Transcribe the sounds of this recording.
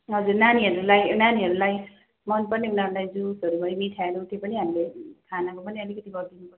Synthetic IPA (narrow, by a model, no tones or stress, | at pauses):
ɦʌd͡zurnaniɦʌɾulajnaniɦʌɾulaj | mʌnpʌrninanlajd͡zusʌɾubʌɾimiʈʰaeɾot̪epʌniɦamilekʰanakopʌniʌlikʌt̪ibʱʌd̪inupʌ